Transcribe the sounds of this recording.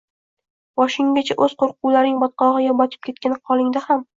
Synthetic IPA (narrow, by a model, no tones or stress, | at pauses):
vɒʃɪŋʲat͡ʃʰaʔɵz̥qʰoɾq̚uwlaɾnɪŋbɒt̪̚qɒʁɨjʲɒbɒt̪ʰɪ̥p̚kʲʰe̞t̪̚kʲanɪqʰɒlˠɪŋd̪aham